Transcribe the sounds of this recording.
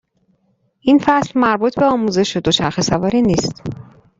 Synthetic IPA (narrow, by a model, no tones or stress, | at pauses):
ʔinfæslmæɾbuːt̪ʰbe̞ɒːmuːze̞ʃod̪o̞t͡ʃʰæɾxesævɒːɾiːniːst̪